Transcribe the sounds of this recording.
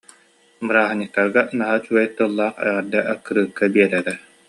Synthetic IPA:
bɯɾaːɦaɲɯk̚t̪ːaɾɡanaɦat͡ʃuɛjt̪ːulˠːaːχɛ̰ʁɛɾd̪aʔakːɯɾɯːkːabiɛɾɛɾɛ

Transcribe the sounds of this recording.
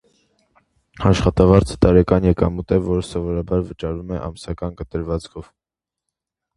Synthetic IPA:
ɑʃχɑt̪ɑvɑɾt͡sʰə̥t̪ɑɾɛkɑnjɛkɑmut̪ɛvɔɾəsɔvɔɾɑbɑɾvət͡ʃɑɾvumɛʔɑ̰msɑkɑnkət̪əɾvɑt͡skʰɔv̥

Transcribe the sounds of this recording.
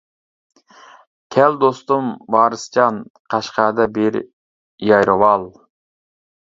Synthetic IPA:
kʲʰɛld̪ost̪umbɑːɾɨst͡ʃʰɑnqʰɑʃqɑːd̪ɛbɪɾ | jɑjɾɨwɑlˠ

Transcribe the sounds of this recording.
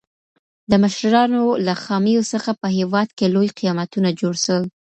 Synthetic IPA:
d̪əməʃɾɑnolaxɑmijosəxapəɦewɑd̪kelojqijɑmat̪unad͡ʒoɽʃəl

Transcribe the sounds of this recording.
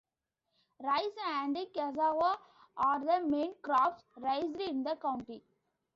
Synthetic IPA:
ɾaɪsæ̃ɳɖɪ̃kɛzaːʋa | ʔaːɾd̪əmẽːnkɾɔːpsɾaɪzɾiɪ̃nd̪əkãʊ̃ɳʈi

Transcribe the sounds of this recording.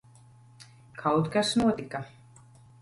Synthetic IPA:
kʰɑwt̪kasnuːt̪ikːɑ

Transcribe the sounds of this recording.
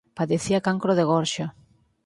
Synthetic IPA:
paðeθiakaŋkɾoðeɣɔɾʃa

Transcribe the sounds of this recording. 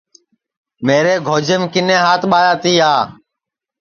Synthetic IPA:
meːɾeːɡʱoːd͡ʒemkɪnẽːɦaːt̪ɓaːjaːt̪iːaː

